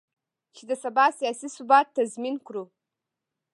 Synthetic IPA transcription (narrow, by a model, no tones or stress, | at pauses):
ʃidasabasijasisubat̚ʰːazminkʷʰru